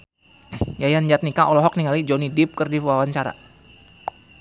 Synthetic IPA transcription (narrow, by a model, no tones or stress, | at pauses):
jajand͡ʒat̪̚nikaʔɔlɔɦɔk̚niŋalid͡ʒonidip̚kɨrdiwawaɲt͡ʃaɾa̰